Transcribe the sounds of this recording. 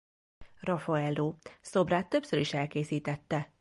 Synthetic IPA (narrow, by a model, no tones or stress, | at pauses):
rɒfɒɛlːoːso̞braːt̪ːø̞psøɾiʃɛlkeːsiːt̪ɛt̪ːɛ